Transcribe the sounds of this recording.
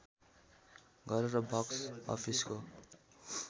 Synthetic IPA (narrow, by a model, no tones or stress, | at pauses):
ɡʱʌɾeɾʌbʱʌksʌ̰pʰisko